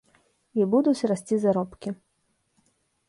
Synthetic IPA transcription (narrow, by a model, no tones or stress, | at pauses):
ibud̪ut͡sʲrasʲt͡sʲizaɾɔpkʲi